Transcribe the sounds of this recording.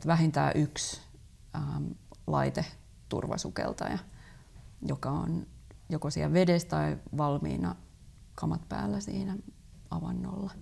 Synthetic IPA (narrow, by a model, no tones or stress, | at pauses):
t̪ʋæhint̪æ̰ːʔyks | əːlɑit̪e | t̪ṵrʋɑ̰sukḛlt̪ɑjɑ | jokɑo̰njokosiælʋedest̪ɑiʋɑlmḭːnɑ | kʰɑmɑt̪pæ̰ːlːæsiːnæ | ɑʋɑnːo̰lːɑ